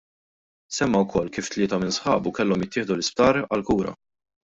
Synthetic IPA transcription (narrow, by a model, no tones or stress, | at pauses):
sɛmːɐwkʰɔlːkiːft̪lɪːt̪ɐmɪnsħɐːbukɛlːɔmjɪt̪ːɪːħd̪ulɪsp̚t̪ɐːɾɐlkuːɾɐ̰